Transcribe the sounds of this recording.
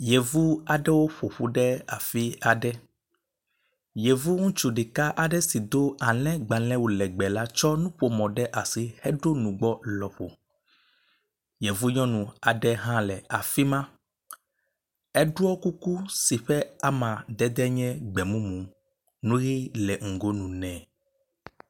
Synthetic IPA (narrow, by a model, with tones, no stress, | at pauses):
je˨vu˦a˨ɖɛ˦wo˦ɸo˨ɸu˦ɖɛ˦a̰˨fi˦a˨ɖɛ˦ | je˨vu˦ŋũ˦t͡ʃu˨ɖi˨ka˦ʔa˨ɖɛ˦si˨d̪o˦a˨lɛ̃˦ɡ͡ba˨lɛ̃˦wo˨lɛ˨ɡ͡bɛ˨la˦t͡ʃɔ˦nũ˦ɸo˨mɔ̃˨ɖɛ˦ʔa˨si˨hɛ˦ɖo˦nũ˨ɡ͡bɔ˦lɔ˨ɸo̰˨ | jɛ˨vu˦ɲɔ̃˦nũ˨a˨ɖɛ˦ɦã˦lɛ˨a˨fi˦mã˦ | ɛ˦ɖu˦ɔ˦ku˦ku˦si˨ɸɛ˦a˨mã˨d̪ɛ˦d̪ɛ˦ɲɛ̃˦ɡ͡bɛ˨mũ˦mũ˨ | nũ˦ɣi˦lɛ˨ŋ̩˨ɡo˦nũ˨nɛ̃˨